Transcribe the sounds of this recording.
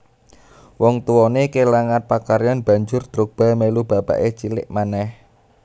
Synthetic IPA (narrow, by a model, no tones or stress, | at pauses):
wɔŋt̪uwɔnekelaŋan̚pakaɾjɔnb̥a̤ɲd͡ʒʊrd̪̥ɾok̚b̥a̤melub̥a̤pa̰ʔet͡ʃilɪ̰ʔmanɛh